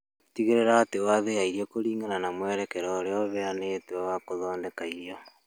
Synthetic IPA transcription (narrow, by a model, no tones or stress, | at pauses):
tiɣeɾeɾaːtewaðeaiɾiɔkoɾiːŋɡananamwɛːɾɛkɛɾɔːɾeɔβɛanetwɛwakoðɔːndɛkaiɾiɔ